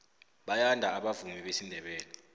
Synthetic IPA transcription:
ɓajandʱaaɓavumiɓesindʱɛɓɛːlɛ

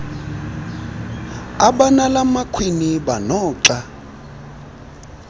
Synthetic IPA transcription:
aɓanalamakʰwiniɓanɔːǁa

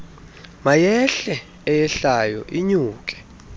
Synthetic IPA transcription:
majɛɬɛː | jɛɬajɔ̰ʔiɲuːkʼɛ̥

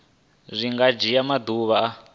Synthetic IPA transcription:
ʐʷiŋɡad͡ʒijamad̪uβaa

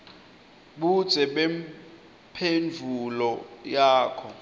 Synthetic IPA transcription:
ɓud̥z̥ʱɛɓɛm | pʰend͡vʱulɔjaːkʰɔ

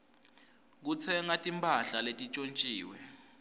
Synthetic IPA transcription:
k̬ut͡sʰɛŋatʼimpʰʼaɬaletʼit͡ʃʼont͡ʃʼiːwɛ

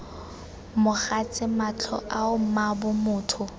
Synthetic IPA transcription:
mʊχat͡sʼɪmat͡ɬʰɔ̰ʔaʊm̩mabʊmʊːtʰʊ

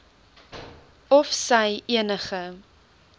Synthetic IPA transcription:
ɔfsəjʔiənəχə

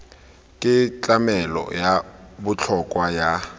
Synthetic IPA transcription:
kʼɪt͡ɬʼamɛlɔ̰jabʊt͡ɬʰɔkʼwaja

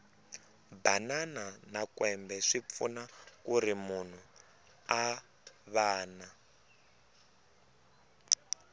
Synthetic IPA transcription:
banananakwɛmbɛʂip̪funakuɾimun̤u | a | βaːna

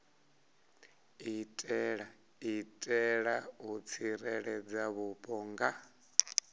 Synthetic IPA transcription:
itʼɛɺa | itʼɛɺaut͡sʰiɾɛɺɛd͡zaβupʼɔŋɡa

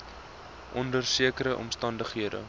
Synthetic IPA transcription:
ʔɔndərsiəkəɾəʔɔ̰mstɐndəχɦiədə̰

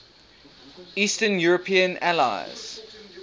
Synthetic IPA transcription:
iːˑstənjuɹəpʰĩə̃nala̰ɪz̥

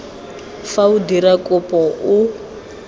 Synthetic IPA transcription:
faudiɾakʼɔpʼɔu

